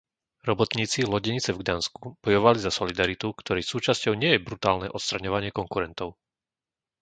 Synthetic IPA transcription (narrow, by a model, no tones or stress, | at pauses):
ɾɔbɔt̪ɲiːt͡silɔɟɛɲit͡sɛvɡd̪aːnskub̥ɔjɔʋalizasɔlid̪aɾit̪ukt̪ɔɾiːsuːt͡ʃascɔʊɲɪɛjɛbɾut̪aːlnɛʔɔt̪st̪ɾaɲɔʋaɲɪɛkɔŋkuɾɛnt̪ɔʊ